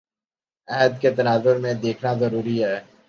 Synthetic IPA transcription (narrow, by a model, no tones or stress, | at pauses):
ɛɦəd̪ket̪ɐnaːzʊɾmẽd̪eːkʰnazɐɾuːɾiɦɛː